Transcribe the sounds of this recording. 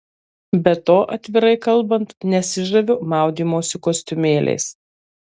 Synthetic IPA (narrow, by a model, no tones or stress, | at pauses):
bʲɛt̪oːʔɐt̪ʲʋʲɪɾɐɪkɐlˠˑbɐnt̪nʲɛsʲɪʒɐʋʲʊmɑˑʊd̪ʲiːmoːsʲɪkoːsʲt̪ʲʊmʲeːlʲʔɛ̰ɪs